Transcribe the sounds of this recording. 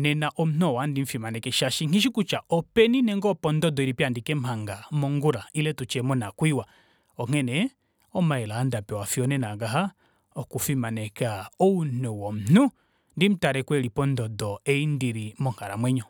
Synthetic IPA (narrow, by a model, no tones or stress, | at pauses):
nɛnaʔɔm̩n̥ɔwandiɱ̩fimanɛkɛʃaʃiŋiʃikut͡ʃaʔɔpɛninɛŋɡɔpɔndɔdɔiɾipiandikɛm̩haŋɡamɔŋɡuɾailɛtut͡ʃɛmɔnakwiwa | ɔŋ̥ɛnɛ | ɔmaɛlaːndapɛwafiɔnɛnaɡaɦa | ɔkufimanɛkaɔunɔwɔm̩n̥u | ndim̩taɾɛkwɛlipɔndɔdɔɛindiɾimɔŋ̥aɾamwɛɲɔ